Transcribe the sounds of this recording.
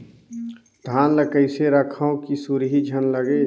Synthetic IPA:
d̪ʱaːnləkəɪseɾəkʰaõkisuɾɦid͡ʒʱənləɡe

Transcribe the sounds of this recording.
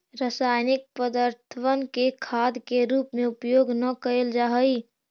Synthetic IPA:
ɾasajnik̚pəd̪əɾt̪ʰəʋənkekʰad̪keɾuːpmẽupjoːɡnəkəeld͡ʒaɦəi

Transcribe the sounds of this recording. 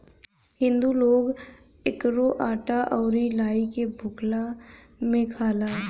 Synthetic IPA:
ɦɪ̃nd̪uloːɡ | ɪkɾoʔaːʈaʔɔːɾilaːikebʱʊkla | mẽkʰaːlaː

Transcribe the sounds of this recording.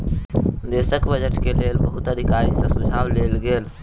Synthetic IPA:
d̪eːsəkbəd͡ʒəʈkeleːlbəɦʊt̪əd̪ʱɪkaːɾisẽsʊd͡ʒʱaːwleːlɡeːl

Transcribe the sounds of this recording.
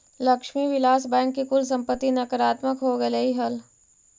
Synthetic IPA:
lɐkʃmiʋɪlaːsbɛ̃ːŋkːikʊlsɐ̃mpət̪ːinɐkəɾaːt̪məkɦoɡɐlɐiɦɐl

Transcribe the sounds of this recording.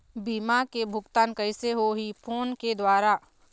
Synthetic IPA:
biːmakebʱʊɡt̪aːnkəɪseɦoɦipʰoːnked̪waːɾa

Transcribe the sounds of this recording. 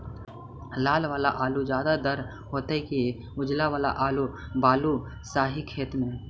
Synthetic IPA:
laːlʋaːlaʔaːlud͡ʒjaːd̪ad̪əɾ | ɦoːt̪eki | ʊd͡ʒlaʋaːla̰ʔaːlu | baːlu | saːɦikʰeːt̪mẽː

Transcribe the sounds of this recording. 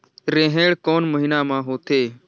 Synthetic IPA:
ɾẽːɦẽːɽkoːnməɦiːnãːmãːɦoːt̪eː

